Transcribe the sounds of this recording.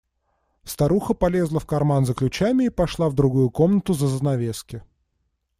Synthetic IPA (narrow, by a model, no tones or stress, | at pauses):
st̪ɐɾuxəpɐlʲe̞zlˠəfkɐrmanzəklʲʉt͡ɕæmʲɪːpɐʂlˠavd̪ɾʊɡujʊko̞mnət̪ʊzəzənɐvʲeskʲɪ